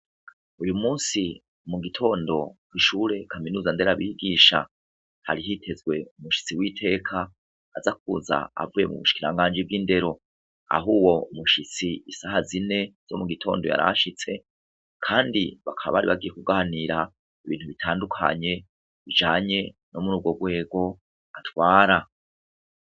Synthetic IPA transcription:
ujumuːnsi | muɡitʰo̞ːndo̞kwiʃuɾe̞kʰaminuːzande̞ɾaβiɡiːʃa̰ | ha̰ɾiɦitʰe̞zɡwe̞umuʃi̥t͡siwiːtʰe̞ːkʰaː | zak̚uːza̰a̰vuje̞mṵβuʃi̥kiɾaŋɡaːnd͡ʒib̚ɡiːnde̞ɾo̞ | a̰ɦuːwo̞muʃit͡siisahazine̞z̥o̞̰muɡitʰo̞̰ːndo̞̰ja̰ɾa̰ʃit͡se̞ | kʰaːndiβakʰaβa̰aɾiβaɡije̞kuɡaniɾa | iβiːn̥huβitʰaːndukʰa̰ɲe̞ | βid͡ʒaːɲe̞no̞muɾuːbɡo̞ɡɡwe̞ːɡo̞ | atwaːɾa

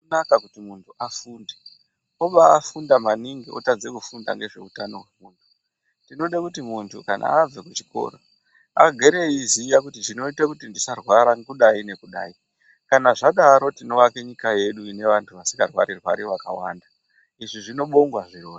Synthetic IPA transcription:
unakakutimuntʰuʔafuːnde | oɓaːfundamaniŋɡiʔotad͡zekufunda̰ŋɡe̞ʐe̞utano̞ɦwemuːntʰu̥ | tino̞ɗakutimuntʰukanʔa̰ab͡vekut͡ʃi̥ko̞̰ɾo | aɡʱe̞ɾe̞izijakutiʐino̞itakutindisarwaɾaŋkuɗaine̞kuɗa̰ːi | kanaʐaɗaɾo̞tino̞ʋakeɲikaje̞ɗuine̞ʋantʰuʋasi̥ŋɡarwaɾirwa̰ɾiʋaka̰waːnda | iʐiʐino̞ɓo̞ŋɡwaʐiroːni

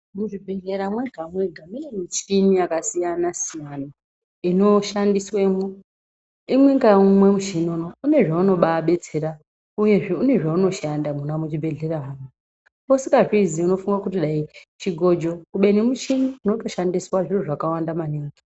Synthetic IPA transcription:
muʐibʱe̞ɮe̞ɾamweɡʱameɡʱamijemit͡ʃiniakasijanasijana | ino̞ʃandiswemo | imwe̞ŋɡaumwe̞muʃinonoune̞ʐauno̞ɓaːɓe̞t͡seɾa | uje̞ʐeune̞ʐauno̞ʃandamunamut͡ʃibʱe̞ɮe̞ɾaːmwa | posikaʐiziuno̞fuŋɡakutiɗait͡ʃiɡʱo̞d͡ʒo̞kuɓe̞nimut͡ʃiniunoto̞ʃandiswaʐiriʐakawandamaniːŋɡi

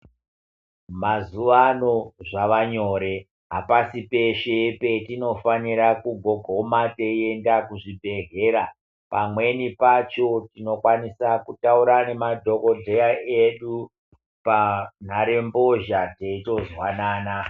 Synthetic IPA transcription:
mazuʋano̞ʐaʋaɲo̞ːɾe̞ | ɦapasipe̞ʃepe̞tino̞faniɾakuɡʱo̞ɡʱo̞mate̞ie̞ndakuʐibʱe̞ɦe̞ːɾa | pamwe̞nipat͡ʃo̞tino̞kwanisakutauɾane̞madʱo̞kodʱe̞jaʔeɗu | pan̤aɾe̞mbo̞ʒateito̞zwanaːna

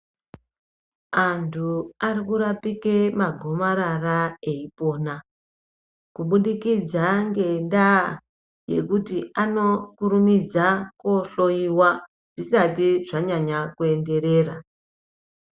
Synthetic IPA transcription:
antʰuarikuɾapikemaɡʱo̞maɾaraeipo̞na | kuɓuɗikid͡zaŋɡe̞nda | je̞̰kutiʔano̞kuɾumid͡zako̞ɬo̞iwa | ʐ̥isatiʐaɲaɲakue̞nde̞ɾe̞ːra

